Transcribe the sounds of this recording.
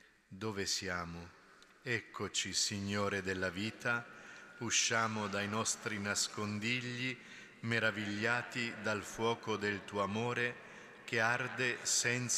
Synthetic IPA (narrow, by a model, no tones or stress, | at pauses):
d̪oːvesjaːmʊ | ɛkʰːot͡ʃisiɲːoːɾed̪elːaviːt̪auʃːaːmʊd̪ajnɔst̪ɾinaskond̪iʎːi | meɾaviʎːaːt̪id̪alfwɔːkod̪elt̪uːoamoːɾe | k̟eard̪esɛnt̪s